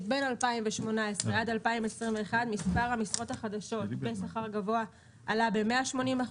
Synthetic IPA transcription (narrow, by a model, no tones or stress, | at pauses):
tbenalpaimveʃmo̞naesʁeadalpaimesʁimveːχadmispaʁhamisʁo̞taχadaʃo̞tbesaχaʁɡavo̞a | alabe̞meaʃmo̞nima